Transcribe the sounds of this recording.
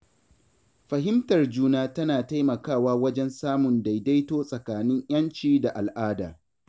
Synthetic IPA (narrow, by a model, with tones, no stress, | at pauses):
ɸɐ˨ɦɪ˦mtɐ˨rd͡ʒuː˦naː˦tɐ˦naː˨ta˦jmɐ˨kaː˦˨waː˦wɐ˦d͡ʒɛ˦nsaː˦mʊ˨nda˨jda˦jtoː˦sʼɐ˨kaː˨nɪ˦ɲʔj̰ɐ˦nt͡ʃiː˦da˨ʔa˨lʔaː˦daː˨